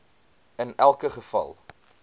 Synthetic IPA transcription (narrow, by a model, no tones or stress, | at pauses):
ənælˠkəχəfɐ̰lˠ